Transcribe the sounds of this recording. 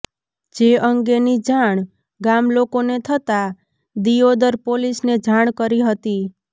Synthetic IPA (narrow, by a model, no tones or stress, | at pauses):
d͡ʒeəŋɡenid͡ʒaɳ̃ | ɡamlokonet̪ʰət̪a | d̪iod̪əɾpolisned͡ʒʱaɽ̃kəɾiɦət̪i